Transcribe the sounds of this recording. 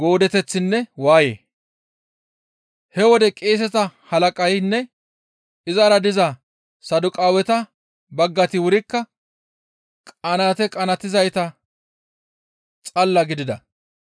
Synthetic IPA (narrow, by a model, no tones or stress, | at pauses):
ɡo̞ːd̪ɛt̪ɛt͡sːɪnːɛwaːjḛː | hɛwɔd̪ɛkʼeːs̬ɛt̪ɐhɐlɐkʼɐjnːɛ | ɪzaɾɐd̪ɪzɐ | sɐd̪ʊkʼaːwɛt̪ɐ | bɐɡːɐt̪ɪwʊɾɪkːɐ | kʼɐnat̪ɛkʼɐnɐt̪ɪzɐjt̪ɐ | t͡sʼɐlːɐɡɪd̪ɪd̪ɐ